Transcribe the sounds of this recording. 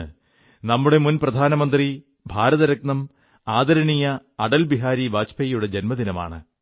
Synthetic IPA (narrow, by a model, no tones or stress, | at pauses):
ɨ | nɐmːuɽe̞munprɐd̪ʱaːnɐmɐnd̪ri | bʱaːɾɐðɐɾɐk̚nɐm | aːd̪ɐɾɐɳijɐːɽɐlbiɦaːɾiʋaːt͡ɕpʰɐjjuɽe̞d͡ʑenmɐðinɐma̰ːɳɨ